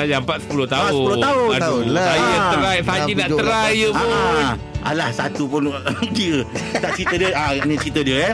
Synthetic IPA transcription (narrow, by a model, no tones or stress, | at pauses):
ajampat̪̚sə̥pulʊht̪aʊəuloaʊaajət̪əɾajsad͡ʒinaʔ̪əɾajəpʊ | a̰lahsa̰t̪upʊndiət̪aʔt͡ʃit̪ədiəaanit͡ʃit̪ədiəjə